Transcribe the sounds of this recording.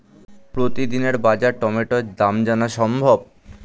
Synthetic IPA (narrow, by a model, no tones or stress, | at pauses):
pɾot̪id̪ineɾbad͡ʑaɾʈɔmeʈod̪amd͡ʑanaʃɔmbʱob̚